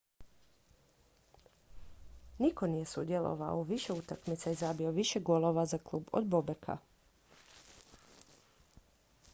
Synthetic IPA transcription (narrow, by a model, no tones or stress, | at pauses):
niko̞nije̞sud̪jelˠo̰ʋa̰oʋiʃe̞ut̪akmit̪sajezabio̞ʋiʃeɡolˠo̞ʋazaklˠuːbo̰d̪bobekʰa̰